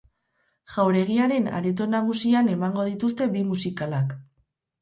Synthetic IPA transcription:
ʝ̥awɾe̞ɣ̞iaɾe̞na̰ɾet̪̬o̞naɣ̞usiane̞maŋɡo̞ðit̪ust̪e̞bimusikalak

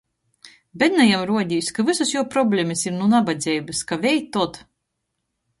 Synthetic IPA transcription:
bɛt̪najamɾuɔd̪ʲijsʲkavɨsusjuɔpɾɔbʲlʲemɨsiɾnunabad̪zʲɛjbɨskavʲɛjt̪ːɔt̪

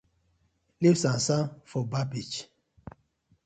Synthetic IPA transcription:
lifsãsãnfɔbabit͡ʃ

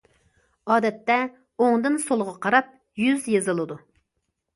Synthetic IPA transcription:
ɑːd̪ɛt̪ːɛ | oŋd̪ɨnsolˠʁɑqʰɑɾɑp̚ | jyzjezɨlˠɨd̪u

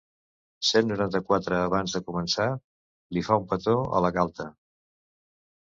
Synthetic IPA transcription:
senːuɾant̪əkwat̪ɾəːβanzðəkumənsa | lifaumpət̪oə̰ləɣalˠt̪ə

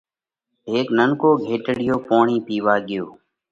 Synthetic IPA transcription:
ɦeːknəŋkoːɡʱeːʈɽɪjoːpoːɳiːpiːʋaːɠɪjoː

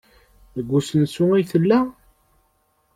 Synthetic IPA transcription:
ðəɡʷːusənsʊæjθəlːæ

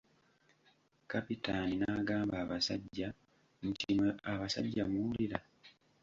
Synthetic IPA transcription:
kapitaninaːɡaːmbaːβasaɟːa | mucimweaβasa̰ɟːamuwuliɾa

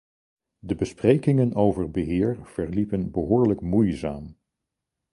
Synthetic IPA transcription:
dəbəsprejkɪŋənowvəɹbəɦɪːɹv̥ɛɹlipənbəɦʊːɹləkmujzaːm

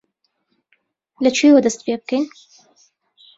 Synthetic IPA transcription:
lɐt͡ʃʰiwɐd̪ɐst̪̚pebɨkɛjn

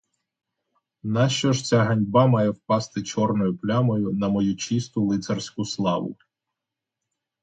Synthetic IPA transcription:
nɑʃt͡ʃɔʒt͡sʲaɦɐnʲbɑmɑjɛwpɑst̪ɪt͡ʃɔrnɔjʊplʲamɔjʊnɐmɔjut͡ʃist̪ʊlˠɪt̪sɐrsʲkʊslˠɑʋʊ̰

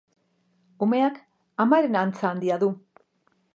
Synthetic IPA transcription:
ume̞ak | amaɾe̞nant͡saːnd̪iaðu

